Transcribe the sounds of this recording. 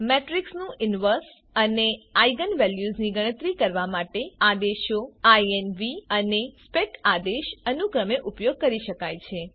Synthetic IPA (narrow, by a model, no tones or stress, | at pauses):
meʈɾiksnũʔɪnʋəɾs | əneajɡənʋɛljuzniɡəɽ̃ət̪ɾikəɾʋamaʈead̪eʃjoajenʋiənespeʈad̪eʃənukɾəmeʔupjoɡ̚kəɾiʃəkajt͡ʃʰe